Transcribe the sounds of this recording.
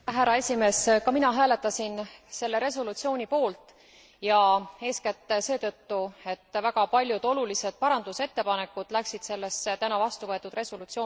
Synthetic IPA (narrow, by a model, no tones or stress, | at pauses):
ɦæɾɑe̞sʲime̞ːskɑminɑɦæːle̞t̪ːˑɑsinse̞lːe̞ɾe̞s̬olut̪sio̞ːnʲipo̞ːlt̪ˑ | jɑe̞ːskæt̪ːse̞ːt̪ɤ̞t̪ːue̞t̪ːvæɡ̥ɑpɑlʲjud̪̥o̞lulise̞d̪̥̚pɑɾɑnd̪̥use̞t̪ːe̞pɑne̞kːˑud̪̥læksid̪̥se̞lːest̪ænɑvɑst̪uvɤ̞e̞t̪ːˑud̪re̞solut̪sioː